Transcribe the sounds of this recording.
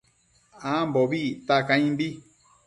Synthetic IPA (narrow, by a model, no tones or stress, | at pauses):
ãmbɔbit̪akãĩmbi